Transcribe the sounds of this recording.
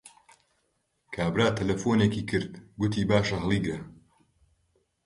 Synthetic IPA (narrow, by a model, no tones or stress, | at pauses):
kʰaːbɾaːt̪ʰɐlɐfoːneːkiːkʰɨɾd̪ɡʊt̪iːbaːʃɐɦɨlˠiːɡɾɐ